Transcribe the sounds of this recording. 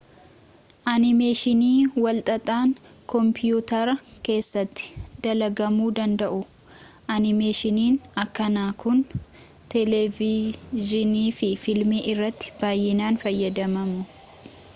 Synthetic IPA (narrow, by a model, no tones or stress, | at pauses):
ʔɐnɪmeːʃɪniːwɐlt̪ʼɐt̪ʼaːŋ | kɔmpɪjuːt̪ɐɾɐke̞ːsːɐt̪ːɪ̥d̪ɐlɐɡɐmuːd̪ɐnd̪ɐʔʊ | ʔɐnɪmeːʃɪniːnɐkːɐnaːkʊn | t̪ɛlɛvɪʒɪniːfɪfɪlmiːʔɪrːɐt̪ːɪ̥b̥aːjːɪnaːnfɐjːɐd̪ɐmɐmʊ